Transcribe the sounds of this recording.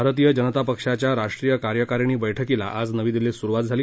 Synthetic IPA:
aɾət̪̬ijəd͡ʑənət̪apəkʂat͡ɕjaɾaʂʈɾijəkaɾjəkaɾiɳ̃iːbəjʈʰəkila̰ʔad͡znəʋiːd̪ilesuɾuʋat̪̚d͡zʱaliː

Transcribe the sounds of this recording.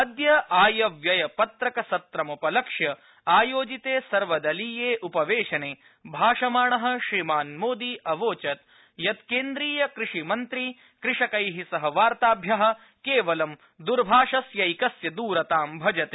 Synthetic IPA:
ɐd̪jɐaːjɐʋjɐjɐpɐt̪ɾɐkɐsɐt̪ɾɐmupɐlɐkʂjɐ | aːjoːd͡ʒit̪eːsɐɾʋɐd̪ɐlijeːʔupɐʋeːʃɐneː | bʱaːʂɐmaːɳɐɦɐ̆ʃɾimaːnmoːd̪iʔɐʋoːt͡ʃɐt̪̚ | jɐt̪keːnd̪ɾiːjɐkɾɪʂimɐnt̪ɾi | kɾɪʂɐkɐjɦisɐɦɐʋaːɾt̪aːbʱjɐɦɐ̆ | keːʋɐlɐm | d̪uɾbʱaːʂɐsjɐjkɐsjɐd̪uːɾɐt̪aːmbʱɐd͡ʒɐt̪eː

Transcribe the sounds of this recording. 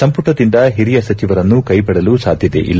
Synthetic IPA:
sɐmpuʈːɐd̪ind̪ɐɦiɾijɐsɐt͡ʃiʋɐɾɐnːukɐjpɐɽɐlusaːd̪ʱjid̪ḛʔḭlː

